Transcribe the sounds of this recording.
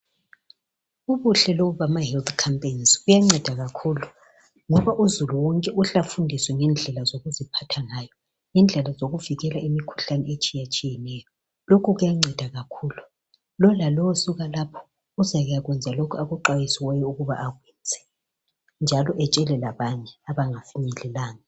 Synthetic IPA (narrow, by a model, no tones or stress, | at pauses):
uβuɬɛloɣuβamahɛlt̪ʰkʰampʼensɣujaŋ͡ǀɛd̥ʱaɣakʰuːlu | ŋɔβaʔuzuluwɔŋkʼɛʔuɬafundʱiswɛŋɛnd͡ɮʱɛlazoɣuzipʰatʰaŋajɔ | ŋɛnd͡ɮʱɛlazoɣuviɣɛlaimikʰu̥ɬanɛet͡ʃʼijat͡ʃʼijɛnɛjɔ | lokʰuɣujaŋ͡ǀɛd̥ʱaɣakʰuːlu | lɔlalɔwɔsuɣalapʰɔ̥ | uzaɣujaɣwɛnd͡zʱalokʰuaɣuǃwajisiwɛjɛuɣuβa̰ʔːɣwɛːnd͡zʱɛ̥ | nd͡ʒʱalɔʔɛt͡ʃʼɛlɛlaβaɲɛaβaŋafiɲɛlɛlaːŋa